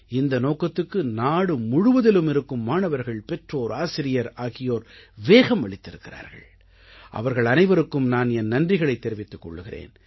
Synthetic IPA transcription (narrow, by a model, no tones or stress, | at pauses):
ɪnd̪ɐnoːkɐt̪ːɯkːɯnaːɽɯmʊɻʊʋɐðɪlɯmɪɾɯkːɯmːaːnɐʋɐɾɣɐɭpɛʈroːɾaːsɪɾɪjɐɾaːɣɪjoːɾʋeːɣɐmʋɐɭɪt̪ːɪɾɯkːɪra̰ːɾɣɐ̰ɭ | ʔɐ̰ʋɐɾɣɐɭɐnɐɪʋɐɾɯkːɯmnaːnɛnːɐndrɪɣɐɭɐɪt̪ːɛɾɪʋɪt̪ːɯkːɔ̰ɭːɯɣɪrḛːn